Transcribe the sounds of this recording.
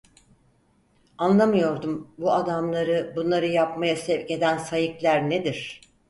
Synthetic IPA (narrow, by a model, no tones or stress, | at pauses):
anlˠamɯjo̞ɾd̪umbuad̪amlˠaɾɯbunlˠaɾɯjapmajasɛvce̞d̪ænsajɯklʲæɾned̪iɾ̥